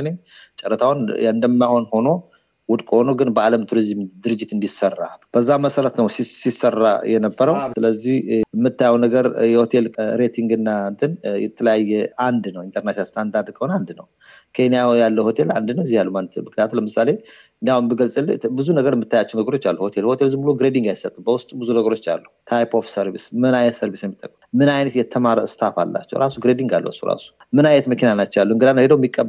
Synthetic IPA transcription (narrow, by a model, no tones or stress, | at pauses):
neɲt͡ʃʼəɾːət̪ʰawnɨnd̪əmːaho̞nho̞no̞ | wʊd̪kʼohono̞ɡɨnbəaləmt̪ʰuɾizmd̪ɨɾɨd͡ʒːɪt̪ɨnd̪isərːa̰b̥əzːaməsəɾət̪nəwsisisːərːa̰jɛnəbːəɾəwsɨləzːihmːɨt̪ːajɛwnəɡəɾjɛho̞t̪ʰe̞lɾe̞t̪ʰiŋɡɨnːant̪ʰənjɛt̪ʰələjajːɛand̪nəwint̪ʰəɾnaʃnalst̪ʰand̪aɾd̪kʼəwonand̪nə̰w | kʰe̞nijajalːəwho̞t̪ʰe̞la̰nd̪ɨnəɛzːihjalːumanːt̪ʰɨmɨknijat̪ʰuləmɨsale̞ | nd̪aunbəɡəlsʼɨlːbɨzunəɡəɾjɛmɨt̪ːajat͡ʃːɛnəɡəɾo̞t͡ʃːalːuho̞t̪ʰelho̞t̪ʰe̞lzɨmbuluɡɾed̪iŋɡajsət̪ʼːubəwʊst̪ʼbɨzunəɡəɾo̞t͡ʃːa̰lːut̪ʰajpʰo̞fsəɾβismɨnajɛt̪səɾβisjɛmːit̪ʼːəkʼːəmɨnajnət̪jɛt̪ʰəmaɾst̪ʰafa̰lːa̰t͡ʃːɛ̰wɾʔasuɡɾed̪iŋɡalːə̰sṵɾa̰su̥ | mɨnajɛt̪məkinanat͡ʃːɛalːuɨŋɡɨd̪anhed̪əwmːikʼːə